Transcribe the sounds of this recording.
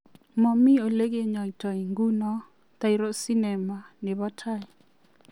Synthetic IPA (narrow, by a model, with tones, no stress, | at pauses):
mɔ˨mi˦o˨le˦ɡe˦ɲɔ˨i˨tɔ˨i˨ŋɡu˦nɔ˦ | ta˦i˦ɾo˦si˦nɛ˨ma˨nɪ˨βɔ˦tʰa˦ɛ˨